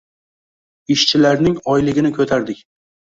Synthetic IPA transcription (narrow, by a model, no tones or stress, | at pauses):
ɪʃt͡ʃʰɪlaɾnɪŋɒjlɪɡʲɪnɪkʰɵt̪ʰaɾd̪ɪkʲ